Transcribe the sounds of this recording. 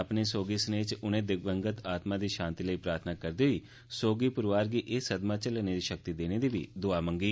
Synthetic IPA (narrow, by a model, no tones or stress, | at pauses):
əpneːsoːɡiːsəneːt͡ʃʊnẽːd̪ɪk̚bəŋɡət̪aːt̪mãːd̪iːʃãːnt̪iːləiːpɾaːɾt̪ʰnaːkəɾd̪iːʋiː | soːɡiːpʊɾʋaːɾɡiːʔɪsəd̪maːt͡ʃələneːd̪iːʃək̚t̪iːd̪eːneːd̪iːʋḭːd̪ʊaːmə̃ŋɡiː